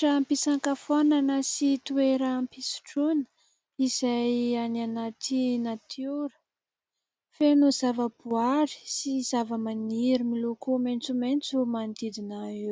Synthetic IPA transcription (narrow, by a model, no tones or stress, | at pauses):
ʈ͡ʂampisaŋkafananəsit̪ueɾaːmpisi̥ʈ͡ʂunə̥ | izajanianat̪inat̪ʰjuɾə̥ | fenuzavəbuaɾi̥siz̥avəmaniɾimilokument͡sument͡sumand̪id̪inaiw